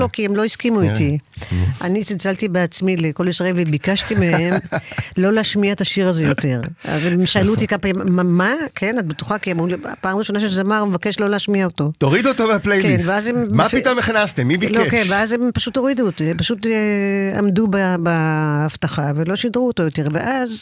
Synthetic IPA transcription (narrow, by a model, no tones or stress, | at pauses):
lo̞kiemlo̞iskimuit̪iʔa̰nit͡silt͡salt̪ibeat͡smileko̞lisaevvebikaʃtimeemlo̞leaʃmiaet̪aʃiʁazejo̞t̪e̞ʁa̰zemʃalut̪ikapamamakʰe̞natbet̪u̥χakiamʁulapaːmʁiʃonaʃeʃzeamaʁumevake̞ʃlo̞leaʃmiaoto̞toʁid̪uot̪oveaplejlkenveazemmaitomeχnast̪emːibilkokenveazempaʃut̪o̞ʁidut̪empaʃut̪ | a̰mdubabaːft̪aχavelo̞ʃidʁuoto̞jo̞t̪e̞ʁveʔaz